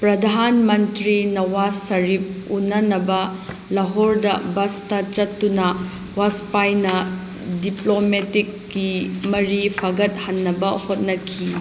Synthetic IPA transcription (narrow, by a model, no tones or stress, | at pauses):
pɾɐdʱanmɐntɾinɐwasɐɾip̚unːɐnɐbɐ | lɐɦoɾdɐbɐstɐt͡ʃɐtːunɐ | waspajnɐ | diplometikːimɐɾipʰaɡɐt̚hɐnːɐbɐhot̚nɐkʰi